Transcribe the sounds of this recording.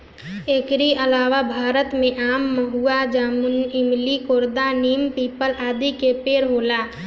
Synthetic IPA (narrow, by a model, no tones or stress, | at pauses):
eːkɾiəlaːʋabʱaːɾət̪mẽʔaːmːəɦuad͡ʒaːmʊnɪmlikoːɾd̪aniːmpiːpəlaːd̪ikepeːɾɦoːlaː